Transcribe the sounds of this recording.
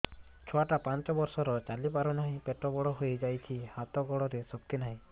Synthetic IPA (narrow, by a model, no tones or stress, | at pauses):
t͡ʃʰɔaʈapant͡ʃɔbɔɾsɔɾɔt͡ʃalipaɾɔnaɦĩpeʈɾɔbɔɽɔɦojd͡ʒajt͡ʃʰihat̪ɔɡɔɽɔɾesɔkːinaɦĩ